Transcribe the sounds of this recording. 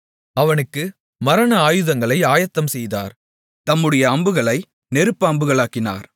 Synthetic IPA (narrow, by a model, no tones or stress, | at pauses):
ɐʋɐnɯkːɯ | mɐɾɐnɐaːjɯðɐŋɡɐɭɐɪaːjɐt̪ːɐmsɛjða̰ːɾ | t̪ɐmːɯɽɐjɐːmbɯɣɐɭɐɪ | nɛɾɯpːɐːmbɯɣɐɭaːkːɪna̰ːɾ